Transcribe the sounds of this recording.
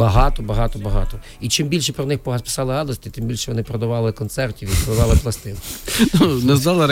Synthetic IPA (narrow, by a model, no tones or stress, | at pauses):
bɐɦɑt̪ɔbɐɦɑt̪ɔbɐɦɑt̪ɔ | it͡ʃɪmbʲilʲʃɛpɾɔnɪxpɔpɪ̥sɑlˠɪɦɑd̪ɔsʲt̪ɪt̪ɪmbʲilʲʃɛʋɔnɪpɾɔd̪ɐʋɑlˠɪkɔnt̪sɛrtʲiʋjiklˠɪʋ̪ˠɑlˠɪplˠɐst̪ɪnnunɛzʋ̪ɑlˠɪɾ